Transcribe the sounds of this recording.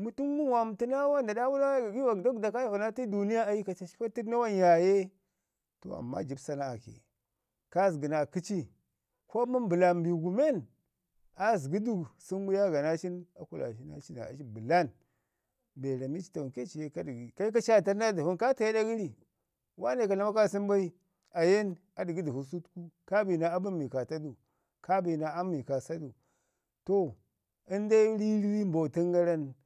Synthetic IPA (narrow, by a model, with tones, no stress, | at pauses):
mu˨tu˦nmu˦wa˨m˨ti˦na˦wa˦nda˨da˦wu˦la˦˨ɡi˦wa˨ɡdo˦ɡda˨ka˦jvu˨na˦ti˦du˨ni˦ja˦a˨ji˦ka˨t͡ʃa˨ʃi̥˦fa˦ti˦na˦wa˦nja˨je˦ | to̰˨a̰˨mːa̰˦d͡ʒi˨bsa˦na˦a˨kḛ˨ | ka˦zɡi˨na˨ki˦t͡ʃi˦ | ko˦mu˦mbu˨la˨mbi˨ɡu˨me˦˨n | a˨zɡi˦du˦ɡsi˦nwu˦ja˦ɡa˨na˦t͡ʃi˦na˦ku˦la̰˨ʃi˦na̰˦t͡ʃi˦na̰˨ʃi˦bə˨la˦n | be˨ɾa˨mi˦t͡ʃi̥˦ta˨u˨ke˦t͡ʃi˨je˦ka˦di˨ɡi˨ka˦i˦k̬a˦ʃa˦˨ta˦ɾna˦di˨hu˦nka˦ta˨je˦da˦ɡi˦ɾi˨ | wa˦ne˨ka˨la˦ma˦ka˦˨si˦mba˦i˦ | a˨je˦n | a˨di˨ɡi˦di˨hu˨su˦tku˦ka˦bi˨na˦a˦bu˦mi˨ka˨ta˦du˨ | ka˦bi˨na˨a˦mːi˨ka˨sa˦du˨ | to˦ | i˦nda˦ɾi˦ɾi˦wi˦mbo˨ti˦ŋɡa˦ɾa˦n